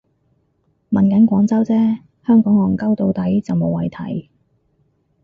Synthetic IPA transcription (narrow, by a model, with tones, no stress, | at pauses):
mɐ˨˩nkɐ˨˥nkʷɔː˨˥ŋt͡sɐ˥wt͡sɛː˥ | hœː˥ŋkɔː˨˥ŋɔː˨˩ŋkɐ˥wt̪o˧wt̪ɐ˨˥jt͡sɐ˨wmo˨˧wɐ˨jt̪ʰɐ̰˨˩j